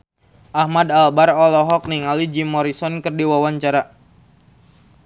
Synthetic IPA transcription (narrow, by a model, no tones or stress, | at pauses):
ʔahmadalbaɾɔlɔɦɔk̚niŋalid͡ʒimɔɾisɔnkɨrdiwawaɲt͡ʃaɾa